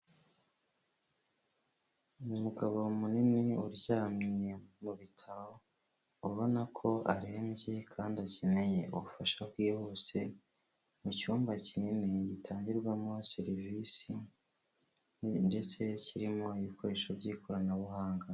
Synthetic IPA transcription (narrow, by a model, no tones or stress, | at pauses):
umuɡaβo̞muniniuɾɟaːmɲijemuβitʰaɾo̞ | uβo̞nakʰo̞aɾe̞ːnze̞kʰaːndiace̞ne̞je̞uufaʃakwiːhose̞ | mucuːmbacininiɟitʰaːɲɟiɾɡwamo̞siɾvisi | nde̞t͡se̞ciɾimo̞iβikʰo̞ɾe̞ːʃovɟiːkoɾanaβuhaːŋɡa